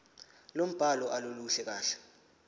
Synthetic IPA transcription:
lom̩b̥ʱalɔʔaloluɬɛk̬aːɬɛ̥

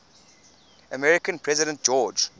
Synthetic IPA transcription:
əmɛɹɪkə̃npʰɹɛzɪɾə̃nt̚d͡ʒɔːd͡ʒ

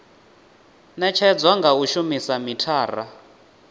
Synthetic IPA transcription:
nɛt͡ʃʰɛd͡zwaŋɡauʃumisamitʰaːra

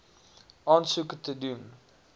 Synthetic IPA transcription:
ʔɑːnsukətədun

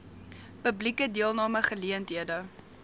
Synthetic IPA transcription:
pəblikədiəlˠnɑːməχəliəntɦiədə

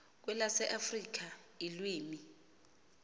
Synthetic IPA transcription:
k̬wɛlasɛʔafrik̬a | ilwiːmi

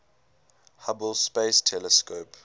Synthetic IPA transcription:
habəlˠspestʰɛləskoːp

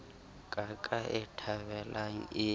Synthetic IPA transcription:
kʼakʼaʔɛtʰaβɛlʔaŋ̩ɪ

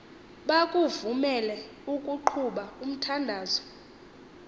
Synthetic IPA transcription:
ɓakʼuvumɛlɛ | ukʼuǃʰuɓaum̩tʰandʱaːzɔ

